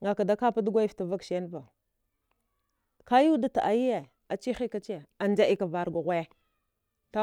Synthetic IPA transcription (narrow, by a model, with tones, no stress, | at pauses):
ŋɡa˨ka˨da˦ka˦pa˦du˦ɡʷa˦i˦fta˨va˦kʃe˦n˦va˨ | ka˦ju˦da˦ta˨ʔa˨ji˦je˨ | a˨t͡ʃi˦xi˦ka˦t͡ʃi˦je˨a˨nd͡ʒa˦ʔi˦ka˨va˨ɾɡʷa˨ɣʷa˦je˦ | ta˦